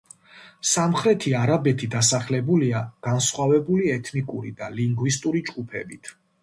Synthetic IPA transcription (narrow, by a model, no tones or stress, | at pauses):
samχɾɛt̪ʰiaɾabɛt̪ʰid̪asaχlɛbuliaɡ̥ansχwavɛbuliɛt̪ʰnikʼuɾid̪aliŋɡvist̪ʼuɾid͡ʒɡupʰɛ̰bit̪ʰ